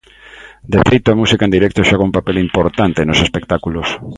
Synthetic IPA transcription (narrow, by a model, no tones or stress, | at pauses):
d̪efejt̪oamusikaẽnd̪iɾɛk̚t̪oʃaɣaumpapelimpoɾt̪ant̪enosespekt̪akulos